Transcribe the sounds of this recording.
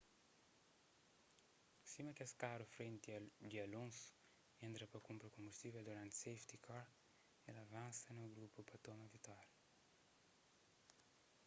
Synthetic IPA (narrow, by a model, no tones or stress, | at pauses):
simɐkɛskaɾufɾent̪d̪iɐlõnsu̥ | ent̪ɾɐpɐkumpɾɐkõmbust̪iveld̪uɾãnt̪sejft̪ikʰɔɾ | elɐvãnsɐnuɡɾupupɐt̪omɐvit̪aɾ